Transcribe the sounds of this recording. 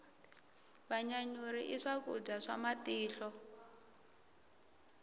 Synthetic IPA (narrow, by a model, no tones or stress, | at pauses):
βaɲaɲuɾiʔiʂakud͡zaʂa̰matiːɬɔ